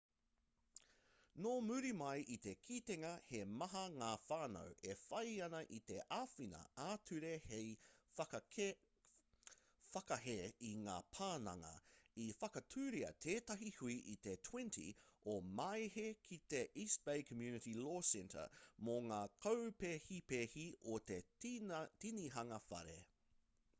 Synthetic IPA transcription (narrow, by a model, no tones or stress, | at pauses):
noːmʉɾimɐjʔit̪ekʰiːt̪eŋɐhemɐɦɐŋaːfaːnɐ̰wʔefɐjɐnɐʔit̪e̞ʔaːfinɐ̰aːtʰʉɾehejfkɐ | fɐkɐɦeiŋa̰ːpʰaːnɐ̰ŋɐ̰ifɐkɐtʰʉːɾiɐ̰t̪ʰeːtɐɦihuiʔit̪etʰwɛ̃ntʰḭomɐjhekʰit̪eʔisb̥ejkʰəmjʉːnɨtiloːsɛ̃ntʰə̰˞moŋaːkʰɐwpehipehiot̪e | tiniɦɐŋɐfɐ̰ɾḛ